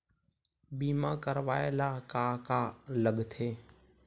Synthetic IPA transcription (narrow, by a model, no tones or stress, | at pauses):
biːmãːkəɾʋaːelaːkaːkaːləɡt̪ʰeː